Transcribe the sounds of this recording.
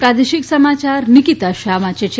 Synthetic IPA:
pɾad̪eʃiksəmat͡ʃaɾnikit̪aʃaːmãt͡ʃet͡ʃʰe

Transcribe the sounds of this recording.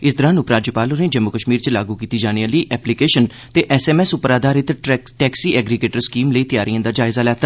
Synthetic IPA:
ɪsd̪əɾãːnupɾaːd͡ʒəpaːlonẽːd͡ʒəmːʊkəʃmiːɾt͡ʃlaːɡuːkiːt̪iːd͡ʒaːnijãːləiːʔɛːplikeːʃən | t̪eːʔɛːsɛːmɛːsʊpɾaːd̪aːɾɪt̪ʈɛːksiːɛːɡɾɪɡeːʈəɾskiːmləiːt̪ɪjaːɾʔijãːd̪aːd͡ʒaːɪzaːlɛːt̪a

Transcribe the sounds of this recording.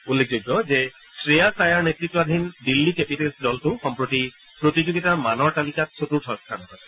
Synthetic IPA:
ulːek̚ʰzoɡɔze | sɹijasajaɹnetɹitːwad̪ʱindilːikepitelsdɔltʊxɔmpɹoti | pɹotizoɡitamanɔɹtalikat̚sotuɹsʰɔɔskʰanɔɦasɛ

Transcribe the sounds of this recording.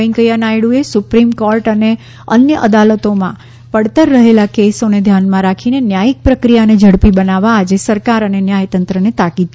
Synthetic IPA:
əĩkəjanajɽuesʊpɾimkoɾʈəne | ənjəʔəd̪alət̪omã | pəɽt̪əɾːəɦelakesoned̪ʱjanmãɾakʰinenjajik̚pɾəkɾijaned͡ʒʱəɽpibənaʋaːd͡ʒesəɾkaɾənenjajt̪ənt̪ɾənet̪akid̪̚

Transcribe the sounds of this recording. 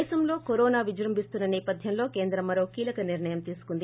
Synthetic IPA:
sɐmlo̞ːkoɾoːnaːʋid͡ʒɾɐmbʱist̪unːɐnɛːpɐd̪ʱjɐmlo̞ːkeːnd̪ɾɐmːɐɾo̞ːkiːlɐkɐniɾɳɐjɐmt̪iːsu̥kund̪i

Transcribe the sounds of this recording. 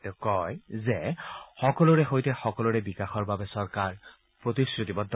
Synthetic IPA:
ɛkɔjzɛxɔkɔlʊɹɛɦojtɛxɔkɔlʊɹɛbikaxɔɹbabɛsɔɹkaɹ | pɹotisɹutibɔd

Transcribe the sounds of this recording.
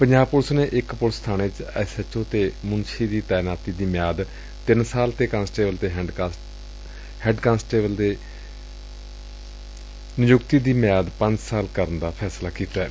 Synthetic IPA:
pəɲd͡ʒaːb̚pʊlsneːʔɪkpʊlst̪ʰaːneːt͡ʃɛsət͡ʃõːt̪eːmʊnʃiːd̪iːt̪ɛːnaːt̪iːd̪iːmɪjaːd̪ | t̪ɪnsaːlt̪eːkãːnsʈeːbəlt̪eːɦ | hɛ̃ːɖkãːnsʈeːbəld̪eː | nɪjʊkt̪iːd̪iːmjaːd̪pə̃ɲd͡ʒsaːlkəɾənd̪aːpʰɛːslaːkiːt̪aɛː

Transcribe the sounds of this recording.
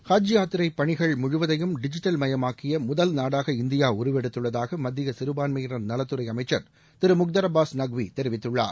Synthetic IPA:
haːd͡ʒɪjaːt̪ːɪɾɐɪpːɐɳɪɣɐɭmʊɻʊʋɐðɐjɯmɖɪd͡ʒɪʈːɐlmɐjɐmaːkɪjɐmʊðɐlnaːɽaːɣɐɪnd̪ɪjaːʊɾɯʋɛɽɯt̪ːɯɭːɐðaːɣɐmɐd̪ːɪɣɐsɪɾɯbaːnmiːɾɐnnɐlɐt̪ːɯɾɐɪɐmɐɪt͡ʃːɐɾ | t̪ɪɾɯmʊk̚d̪ɐɾɐbaːsnɐɡʋit̪ɛɾɪʋɪt̪ːɯɭːa̰ːɾ

